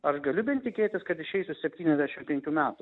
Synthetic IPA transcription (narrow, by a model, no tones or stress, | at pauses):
ɐʃɡɐlʲʊbʲɛnʲt̪ʲɪkʲeːt̪ʲɪskɐt̪ɪʃɛɪsʲʊsʲɛpʲt̪ʲiːnɛzd̪ʲæʃʲɪmpʲɛŋʲkʲuːmʲæːt̪ʊ